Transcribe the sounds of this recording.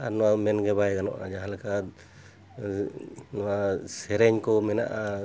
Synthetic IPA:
anɔwamɛnɡɛbajɡanɔ̰ʔa̰d͡ʒaɦalka | nɔwasɛɾɛɲkɔmɛna̰ʔa

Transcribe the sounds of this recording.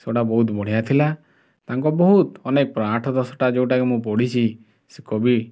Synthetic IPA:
seoʈabɔɦut̪bɔɽ̤ijat̪ʰila | t̪aŋkɔbɔɦut̪ɔnek̚pɾaʈʰɔd̪ɔsɔʈad͡ʒeũʈakemũp̬ɔɽ̤it͡ʃʰi | sekɔbi

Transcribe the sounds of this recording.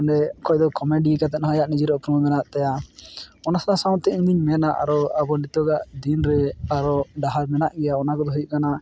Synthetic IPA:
nɾɛkɔjd̪ɔkɔmeɖikat̪̬ɛt̪̚nɦɔ̃jaʔnid͡ʒiɾɔkɾɔmmɛnaʔt̪aja | ɔnasanasawnt̪ɛʔĩɲd̪iɲmɛnaʔa̰ɾɔabɔlit̪ɔɡaʔd̪inɾɛaɾɔɖaɦaɾmɛnaʔɡɛjaɔnakɔd̪ɔɦujuʔkana

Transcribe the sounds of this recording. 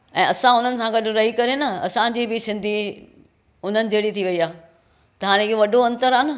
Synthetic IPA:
ɛ̃ːɐsãʊn̤ənɪ̆sãɡɐɗ̆ɾɐɦikɐɾenɐɐ̰sãd͡ʑiːbɪsɪ̃nd̪ʱi | ʊn̤ənɪ̆d͡ʑeːɽit̪ʰiʋɐiaː | t̪ɐɦaːɽ̃eɪɦoʋɐɗʱoɐ̃nt̪əɾaːnɪ

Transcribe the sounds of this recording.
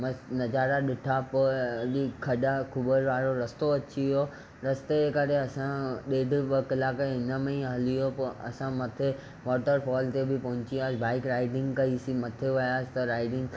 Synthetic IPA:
mɐ̃snɐd͡ʑaːɾaɗɪʈʰapoɐɗikʰɐɗakʰʊbəɾʋaːɾoɾɐst̪oɐt͡ɕiijo | ɾɐst̪ekɐɾeɐsãɗeːɖʱɪʋɐkɪlaːkeɦɪnəmɐ̃ĩɦɐlijopɐɐ̰sãmɐt̪ʰe | ʋɔːʈəɾfɔːlt̪ebʱɪpɐ̃ɦʊ̃t͡ɕiaːsbʱaːɪkɾaːɪɖɪ̃ŋɡkɐisĩmɐt̪ʰeʋɐjaːsɪ̥t̪ɐɾaːɪɖɪ̃ŋɡ

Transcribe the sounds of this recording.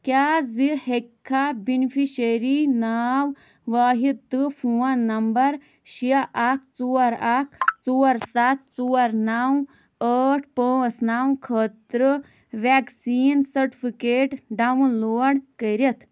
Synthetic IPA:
kjad͡zihekʰːabinfiɕəɾinaw | ʋaɦit̪ːɨfuwanɐmbɐɾ | ɕiaʔak̚ʰt͡suaɾak̚ʰt͡suaɾsat̪̚t͡suaɾnaw | əʈʰpə̃snawkʰət̪ɾə | ʋɛksiːnsəɾʈifikeʈɖaʋunloɽkəɾet̪

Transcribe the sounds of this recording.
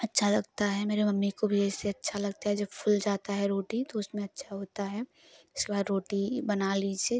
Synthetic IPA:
ɐtːʃʰalɐɡ̚t̪aɦɛmeːɾemɐmːikobʱiɛːseɐtːʃʰalɐɡt̪aɦɛd͡ʒɐbpʰʊld͡ʒaːt̪aɦɛɾoːʈit̪oʊsmẽɐtːʃʰaɦoːt̪aɦɛ | ɪskebaːd̪ɾoːʈibɐnaːlid͡ʒe

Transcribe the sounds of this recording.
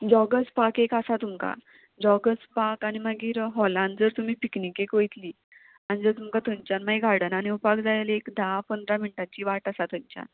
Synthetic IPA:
d͡ʑɔɡəspakekasat̪umka̰ | d͡zɔɡəspakañiməɡiːɾɦɔlãnd͡zəɾt̪um̤iːpiknikekojt̪liː | anid͡zəɾt̪umkat̪ʰəɲt͡ɕanmaɦiɡʱaɽənañiupakd͡zalelekd̪ʱapənd̪ɾamiɳʈat͡ɕiːʋaʈasat̪ʰəɲt͡ɕa̰n

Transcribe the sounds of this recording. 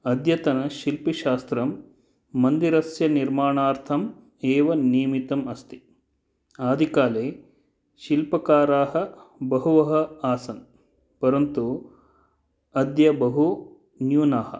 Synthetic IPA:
ɐd̪jɐt̪ɐnɐʃilpiʃaːst̪ɾɐmː | ɐnd̪iɾɐsjɐniɾmaːɳaːɾt̪ʰɐm | eːʋɐniːmit̪ɐmɐst̪i̥ | aːd̪ʱikaːleː | ʃilpɐkaːɾaːɦɐbɐɦuʋɐɦɐ̆aːsɐn | pɐɾɐnt̪u | ɐd̪jɐbɐɦu | njuːnaːhɐ̰̆

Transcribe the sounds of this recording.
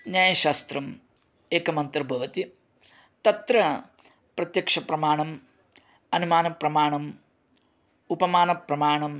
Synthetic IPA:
njaːjɐʃaːst̪ɾɐm | eːkɐmɐnt̪ɐɾbʱɐʋɐt̪i | t̪ɐt̪ɾɐ | pɾɐt̪jɐkʂɐpɾɐmaːɳɐm | ɐnumaːnɐpɾɐmaːɳɐm | upɐmaːnɐpɾɐmaːɳɐm

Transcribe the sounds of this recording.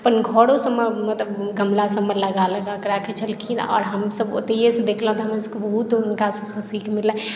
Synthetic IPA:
əpənɡʱɔɽosəmːəmət̪ləbɡʱəmlasəmːələɡaləɡakɾaket͡ʃʰəlkʰina̰ʔɔ̰ɾɦəmsəbo̰t̪ejesẽd̪ekʰlaɦũt̪ɔɦəmsəkebəɦut̪unkasəbsə̃sikʰmilːɛ̃

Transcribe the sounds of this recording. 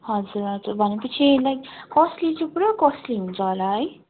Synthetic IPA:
ɦʌd͡zuɾɦʌd͡zurbʱʌnepʌt͡sʰilajkkʌslit͡sũpuɾʌkʌsliɦunt͡sʰʌɦolaɦʌj

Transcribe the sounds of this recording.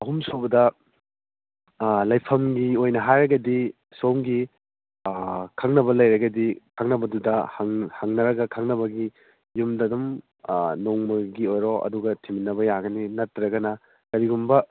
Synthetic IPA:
ɐɦumsobɐdɐ | lɐjpʰɐmɡiojnɐɦajɾɐɡɐdi | soŋɡi | kʰaŋnɐbɐlɐjɾɐɡɐdikʰaŋnɐbɐdudɐhŋhaŋnɐɾɐɡɐkʰaŋnɐbɐɡi | jumdɐdum | noŋmɐɡiojɾoʔɐ̰duɡɐtʰiminːɐbɐjaɡɐninɐtːɾɐɡɐnɐ | kɐɾiɡumbɐ

